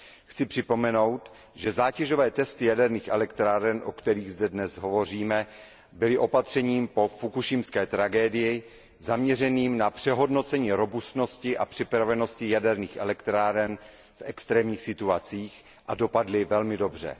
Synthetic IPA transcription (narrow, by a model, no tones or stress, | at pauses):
xt͡sɪpr̥ɪpo̞mɛno̞wt̪ | ʒɛzaːcɛʒo̞vɛːt̪ɛst̪ɪjadɛɾniːxʔɛlɛkt̪ɾaːɾɛnʔo̞̰kt̪ɛɾiːɣzdɛdnɛzɦo̞vo̞r̝iːmɛ | bɪlɪʔo̞pat̪r̝̥ɛɲiːmpo̞fukuʃɪmskɛːt̪ɾaɡɛːdɪjɪ | zamɲɛr̝ɛniːmnapr̝̥ɛɦo̞dno̞t͡sɛɲiːɾo̞bust̪no̞scɪʔapr̝̥ɪpɾavɛno̞scɪjadɛɾniːxʔɛlɛkt̪ɾaːɾɛn | fʔɛkst̪ɾɛːmɲiːxsɪt̪uat͡siːx | ʔado̞padlɪvɛlmɪdo̞br̝ɛ̰